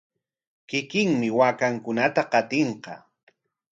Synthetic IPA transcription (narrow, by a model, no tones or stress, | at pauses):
kɪkɪŋmɪwaːkaŋkʊnat̪aqɑt̪eɴqɑ̰